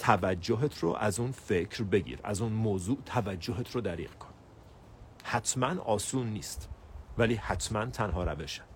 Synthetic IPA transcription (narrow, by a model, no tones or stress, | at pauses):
t̪ʰævæd͡ʒːoɦet̪ʰɾo̰ʔæzuːnfe̞cʰɾbe̞ɟḭːɾæ̰zuːnmoːzuːʔt̪ʰævæd͡ʒːoɦet̪ʰɾod̪æɾḭːɣkʰon | hæt̪ʰmænɒːsuːnːiːst̪væliːhæt̪ʰmænt̪ʰænɦɒːɾæve̞ʃæ̥